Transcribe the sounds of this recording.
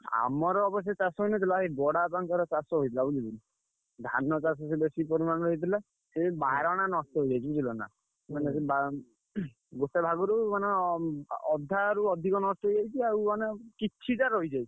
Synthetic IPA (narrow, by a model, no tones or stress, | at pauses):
a̰mɔɾɔɔbɔsɔt͡ʃasɔɦoinet̪̬ʰilaɦebɔɽapaŋkɔɾɔt͡ʃasɔɦoit̪ʰilabulid̪ili | d̪ʱa̰nɔt͡ʃas̬ɔs̬ebesipɔɾimañɔɾɔɦit̪̬ila | sebaɾɔɽ̃anɔsʈɔɦojd͡ʒajt͡ʃʰibut̪ʰilɔna̰ | semaneseba | ɡotebʱaɡɔɾumane | ɔd̪ʱːaɾuɔd̪ʱikɔnɔstɔɦojd͡ʒajt͡ʃʰiawmanekit͡ʃʰitaɾɔɦid͡ʒajt͡ʃʰi̥